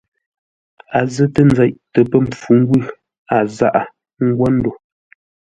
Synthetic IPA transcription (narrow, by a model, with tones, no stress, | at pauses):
a˨zə˦tə˦˨nd͡za˨ʔtə˨pə˦˨m˨p͡fu˨˦ŋ˦ɡwʉ˦˨ | a˨za̰˦˨ʔa˦ | ŋ̩˦ɡwa˦n̩˦do˨